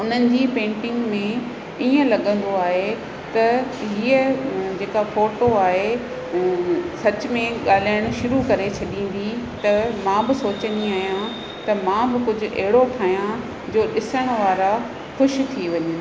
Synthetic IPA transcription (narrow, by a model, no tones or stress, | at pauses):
ʊn̤ənɪ̆d͡ʑiːpẽːɳʈɪ̃ŋɡmẽ | iːə̃lɐɠə̃nd̪oaːɦe | t̪ɐɦiːəd͡ʑeːkafoːʈoaːɦe | sɐt͡ɕʊmẽɠaːl̤aːɪɽ̃ʃʊɾukɐɾet͡ɕʰɐɗĩːn̆d̪it̪ɐmãːbɪsoːt͡ɕə̃nd̪iaːɦijã | t̪ɐmãːbɪkʊd͡ʑʱʊ̆ʔɐ̰ɦɪɽoʈʰaːɦjã | d͡ʑoːɗɪsəɽ̃ʋaːɾa | xʊʃt̪ʰiʋɐɲə